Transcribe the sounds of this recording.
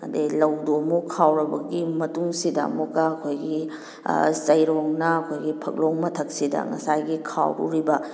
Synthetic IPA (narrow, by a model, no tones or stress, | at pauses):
ɐ̰delɐwdomukʰawɾɐbɐɡimɐtuŋsidɐ̰mukɐːkʰojɡḭ | zɐjɾoŋnɐɐkʰojɡipʰɐk̚loŋmɐtʰɐk̚sidɐ̰ŋɐ̰sajɡikʰa̰wɾṵɾibɐ